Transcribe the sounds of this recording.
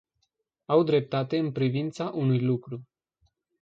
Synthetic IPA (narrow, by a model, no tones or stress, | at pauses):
awd̪ɾe̞p̚t̪at̪e̞ɨnpɾivint̪saʔunujlukɾu